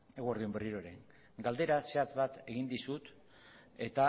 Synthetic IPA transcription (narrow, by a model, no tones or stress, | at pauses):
e̞ɣooɾðiuemberiɾo̞ɾe̞̰ŋ | ɡald̪e̞ɾase̞at͡sβat̪e̞ɣind̪isut̪ | e̞t̪a